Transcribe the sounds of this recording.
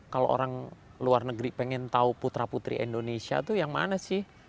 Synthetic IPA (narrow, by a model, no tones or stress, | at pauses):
kalo̰ʔo̰ɾaŋluarnəɡɾipeŋɛnt̪auput̪ɾaput̪ɾḭḭndonesia̰t̪ujaŋma̰nasɪh